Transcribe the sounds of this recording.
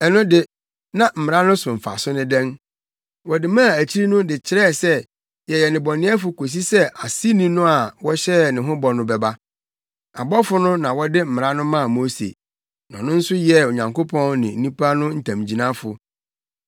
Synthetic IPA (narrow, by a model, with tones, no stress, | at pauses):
ɛ˨nʊ̃˦dɪ˦ | nã˨m̩˨mɪ̃˨ɾã˦nʊ̃˦sʊ̃˨m̩˨fa̰˨sʊ˦nʊ̃˦dɛ̃˦ŋ | wɔ˨dɪ˨mã˦˨æ˨t͡ɕʰi˦ɾi˦nʊ̃˦dɪ˨t͡ɕʰɪ˨ɾɛ˦˨sɛ˦ | jɛ˨jɛ˨nɪ̃˨bɔ˨nɪ̃˦ɛ˦fʊ˨kʰo˨s̬i˦sɛ˦ʔa˨si˦nĩ˦nʊ̃˦a˨wɔ˦ɕɛ˦˨nɪ̃˨ɦʊ̃˦bɔ˨nʊ̃˦bɛ˨ba˦ | a˨bɔ˦fʊ˦nʊ̃˦nã˨wɔ˦dɪ˦m̩˨mɪ̃˨ɾã˦nʊ̃˦mã˦˨mo˦sḛ˨ | nɔ̃˨nʊ̃˦n̩˦sʊ˦jɛ˦˨o˨ɲã˨ŋko˦pʰɔ̃˦nnɪ̃˨n̩˦nĩ˦pʰa˦nʊ̃˦n̩˨tʰã˨m˨d͡ʑi˨nã˦fʊ˨